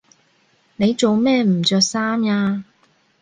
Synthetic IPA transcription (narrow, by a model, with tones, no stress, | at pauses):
ne˨˧jt͡so˨wmɛː˥˩m̩˨˩t͡ʃœː˧k̚saː˥mjaː˧